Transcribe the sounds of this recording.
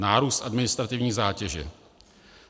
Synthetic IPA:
naːɾuːst̪ʔadmɪnɪst̪ɾat̪ɪvɲiːzaːcɛʒɪ̰

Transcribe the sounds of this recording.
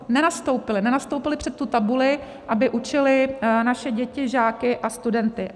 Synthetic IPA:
nɛnast̪owpɪlɪnɛnast̪owpɪlɪpr̝̥ɛt̪ːut̪abulɪ | ʔabɪʔut͡ʃɪlɪnaʃɛɟɛcɪʒaːkɪʔast̪udɛnt̪ɪ

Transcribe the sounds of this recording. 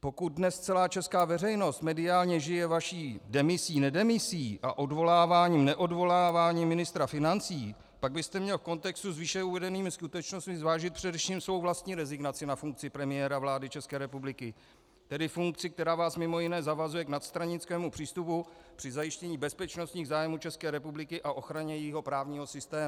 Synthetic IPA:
po̞kut̪̚dnɛst͡sɛlaːt͡ʃɛskaːvɛrɛjno̞st̪mɛdɪaːlɲɛʒɪjɛvaʃiːdɛmɪsiːnɛdɛmɪsiːʔa̰ʔo̞dvo̞laːvaːɲiːmnɛʔo̞dvo̞laːvaːɲiːmɪnɪst̪ɾafɪnant͡siː | paɡ̚bɪst̪ɛmɲɛlfko̞nt̪ɛkst̪uzvɪʃɛuvɛdɛniːmɪskut̪ɛt͡ʃnost̪̚mɪzvaːʒɪt̪̚pr̝̥ɛdɛfʃiːmsvo̞wvlast̪ɲiːɾɛzɪɡnat͡sɪnafuŋk̚t͡sɪpɾɛmɪjɛːɾavlaːdɪt͡ʃɛskɛːɾɛpublɪkɪ | t̪ɛdɪfuŋk̚t͡sɪk̚t̪ɛɾaːvaːsmɪmo̞jɪnɛːzavazujɛknat̪st̪ɾaɲɪt͡skɛːmupr̝̥iːst̪upu | pr̥ɪzajɪʃcɛɲiːbɛspɛt͡ʃno̞st̪ɲiːɣzaːjmuːt͡ʃɛskɛːɾɛpublɪkɪʔaʔo̞xɾaɲɛjɪɦo̞pɾaːvɲiːɦo̞sɪst̪ɛːm

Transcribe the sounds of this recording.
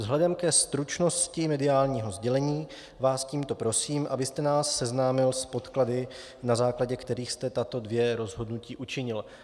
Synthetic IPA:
vzɦlɛdɛmkɛst̪ɾut͡ʃnoscɪmɛdɪaːlɲiːɦo̞zɟɛlɛɲiː | vaːsciːmt̪o̞pɾo̞siːmʔabɪst̪ɛnaːsːɛznaːmɪlspo̞t̪kladɪ | nazaːklaɟɛkt̪ɛɾiːxst̪ɛt̪at̪o̞dvjɛɾo̞zɦo̞dnuciːʔut͡ʃɪɲɪl

